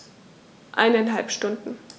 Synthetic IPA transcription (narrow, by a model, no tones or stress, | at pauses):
ʔa̰ɪnaɪnɦalpʃtʊndn̩